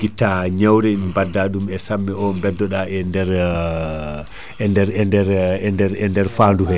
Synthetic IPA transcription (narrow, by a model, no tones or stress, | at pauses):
ɡ̥itːaɲawɾɛimbadːaɗumɛsamːɛɔmbɛdːɔɗaɛndɛɾ | ɛndɛɾɛndɛɾɛndɛɾɛndɛɾfanduhɛ